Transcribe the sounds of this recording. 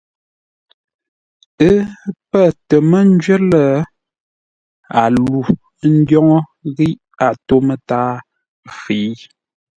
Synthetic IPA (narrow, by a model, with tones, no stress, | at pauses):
ə˦pə˦˨tə˨mə˦n̩˦d͡ʒɥə˦lə˦˨ | a˨lu˨˦ | n̩˦djɔ˦ŋɔ˦ɣi˦ʔ | a˨to˦mə˨taː˦ | fi˨˦